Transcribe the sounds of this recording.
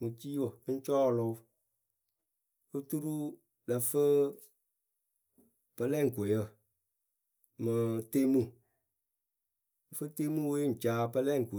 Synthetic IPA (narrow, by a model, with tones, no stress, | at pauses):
mu˨t͡ʃi˦wə˨˦n̩˦t͡ʃɔː˦˨lʊ˧˦ | fɨ˦tu˦ɾu˦ | la˨fə˦ | pə˧lɛ˦˨ŋ̩˨ko˨jə˦˨ | mɨ˨te˦mu˦ | m̩˨fə˦te˦mu˦we˦n̩˨t͡ʃaː˦pə˦lɛ˦˨ŋ̩˨ko˨